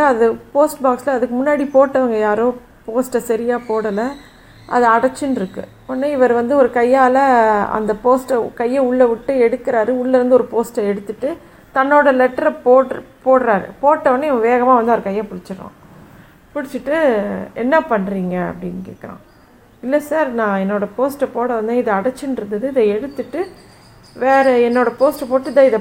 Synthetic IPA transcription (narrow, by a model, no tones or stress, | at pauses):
aɐðɯpoːsʈbaːkslɐːðɯkːɯmʊnːaːɽipoːʈːɐʋɐŋɡɐjaːɾʊ̃ | poːsʈɐsɐɾɪjaːpoːɽɐlɐ | ʔɐ̰ðɐɐɽɐt͡ʃːɯnɪɾɯkːɯ̰ | ɔnːaɪʋɐɾʋɐnd̪ɯɔɾɯkɐjːaːlɐɐ̰nd̪ɐpoːsʈkɐjːɐʊɭːɐʋɪʈːɯɛɽɯkːɪɾaːɾɯʊɭːɐɾɯnd̪ɯɔɾɯpoːsʈɐɛɽɯt̪ːɯʈːɯ | t̪ɐnːoːɽɐlɛʈːɐɾɐpoːpoːɽɾaːɾɯ̰poːʈːɐʋɐnd̪ɯɪʋʋeːɣɐmaːʋɐnd̪ɯɐɔɾɯkɐjːɐ̃pʊɽɪt͡ʃːɯɾõ̰ː | pʊɽɪt͡ʃːɯʈːɯɛnːɐpɐɳːɾiːŋɡɐɐ̰pːɐɽɪnkḛːkːɐɾã̰ː | ɪlːɐsaːɾnãːɛnːoːɽɐpoːsʈɐpoːɽɐʋɐnd̪ɯɪðɐɐɽɐt͡ʃːɪnɪɾɯnd̪ɐðɯɪðɛɛɽɯt̪ːɯʈːɯ | ʋeːɾɐɛnːoːɽɐpoːsʈɛpoːʈːɯɪðɐɪðɐ